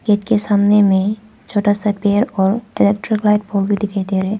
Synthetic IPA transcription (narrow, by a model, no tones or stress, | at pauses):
keːʈkesaːmnemẽ | t͡ʃʰoːʈasapeːəɾɔːɾɪleːk̚ʈɾɪklaːɪʈ̚boːlbʱid̪ɪkʰed̪eːɾɦɛː